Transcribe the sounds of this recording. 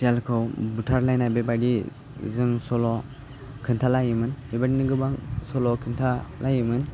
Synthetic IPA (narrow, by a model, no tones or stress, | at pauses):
sialkʰɯwbutʰaɾlajnabebadi | zɯŋsɔlɔ | kʰɯntʰalajɯmɯnbebadinɯɡɯbaŋsɔlɔkʰɯntʰalajɯmɯn